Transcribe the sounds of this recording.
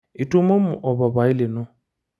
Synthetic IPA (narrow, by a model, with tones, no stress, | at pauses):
i˨tu˦mo˦mʊ˨ʔɔ˨ba˨ba˨i˦le˨nʊ̃˦